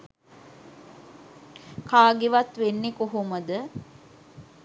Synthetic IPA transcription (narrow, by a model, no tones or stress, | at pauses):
kaːɡiʋat̪ʋenːekoɦuməd̪ə